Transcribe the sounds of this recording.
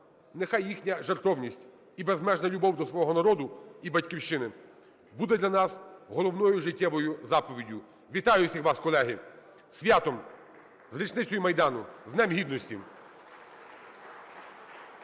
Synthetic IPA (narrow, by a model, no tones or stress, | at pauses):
nexɑjːixnʲɐʒert̪ɔwnʲisʲtʲ | ibezmɛʒnɐlʲʊbɔwd̪ɔsʋɔɦɔnɐɾɔd̪ʊibɐtʲkʲiwʃt͡ʃɪnɪ | bud̪ɛd̪lʲɐnɑsɦɔlˠɔwnɔjʊʒɪtʲːɛʋɔjʊzɑpɔʋʲidʲʊ | ʋʲit̪ɑjʊsʲixʋɑskɔlˠɛɦɪ | sʲʋʲjat̪ɔm | zɾʲit͡ʃnɪt͡sʲɔjʊmɐjd̪ɑnʊznɛmɦʲid̪nɔsʲtʲi